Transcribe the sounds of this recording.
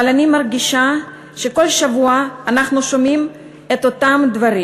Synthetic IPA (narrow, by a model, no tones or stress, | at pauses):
alanimɐɾɡʲiʃa | ʃeko̞lʃavuɐːnaχnuʃomim | et̪ot̪amd̪vaɾi